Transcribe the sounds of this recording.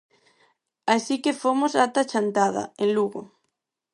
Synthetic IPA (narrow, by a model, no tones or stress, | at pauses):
asikefomosat̪at͡ʃant̪aðɐ̰enluɣo